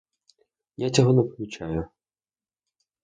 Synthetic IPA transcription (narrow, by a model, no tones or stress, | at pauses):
jat͡sʲɔɦɔnɛpɔmʲʊt͡ʃajʊ